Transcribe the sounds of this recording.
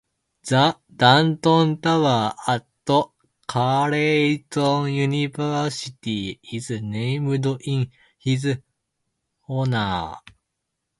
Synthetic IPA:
d͡za | d̪̥ãnt̪õnt̪aβaːat̪ːo | kʰaɾeit̪õŋjuɲʲibaɕit̪ʲiizɨneimɯd̪oʔĩŋ | hizɨ | honaː

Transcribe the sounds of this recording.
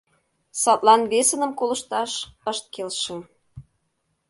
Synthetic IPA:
sɑt̪lˠɑnβesə̆nə̆mkolɤ̆ʃt̪ɑʃəʃt̪̚kelʃĕ

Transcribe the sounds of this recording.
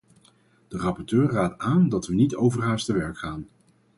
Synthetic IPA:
d̥ərɑpɔɹtøːɹraːtaːndɑtʋənitowvərɦaːɹstəʋɛɹkχaːn

